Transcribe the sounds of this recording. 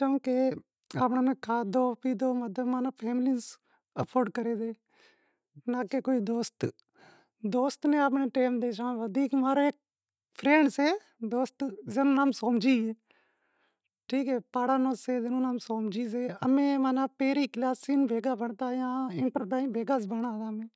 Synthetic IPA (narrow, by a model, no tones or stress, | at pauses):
kõːke | aːpɳãːnẽːkʰaːd̪oːpiːd̪oːmət̪əmaːnaːpʰeːmlɪns | əpʰoːɾɖkəɾeːd̪eː | naːkekoːiːd̪oːst̪ | d̪oːst̪nẽːaːp̬nẽːʈeːmd̪eːʃãːʋəd̪ʱiːkmaːɾoːeːk̚ | pʰɾẽːɳɖseː | d̪oːst̪zeːnũːnãːmsoːmd͡ʒiːeː | ʈʰiːkɦɛːpaːɽaːnõːseːzɪnũːnaːmsoːmd͡ʒiːseːəmẽːmaːnãːpeːɾiːklaːsiːnbʱeːɡaːbəɳt̪aːjãːɪ̃ɳʈəɾpaːĩːbʱeːɡaːsbəɽaːd̪aːmẽː